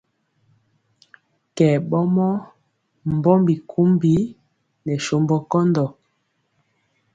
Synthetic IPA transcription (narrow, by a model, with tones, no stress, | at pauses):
kɛ˨ɓɔ˦mɔ˦ | m˨bɔ˦mbi˨kʰu˦mbi˦ | nɛ˨ʃo˨mbɔ˨kɔ˦ndɔ˨